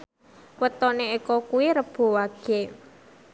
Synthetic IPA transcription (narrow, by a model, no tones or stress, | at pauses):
wət̪ɔneikɔkuwiɾəb̥o̤waɡ̥e